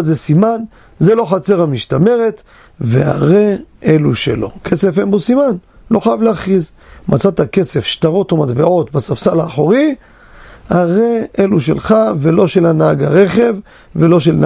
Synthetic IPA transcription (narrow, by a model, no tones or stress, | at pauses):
zesiman | zelo̞χat͡se̞ʁamiʃtame̞ʁet̪ | vea̰ʁeʔeluʃḛlo̞̰kʰese̞fenbosimanlo̞χajavleaχʁiz | mʔat͡sat̪ake̞se̞fʃt̪aʁo̞t̪omat̪beo̞t̪basafsalaːχoʁi | haʁeeluʃe̞̰lχavelo̞ʃelanaaɡaʁe̞χe̞v | velo̞ʃeln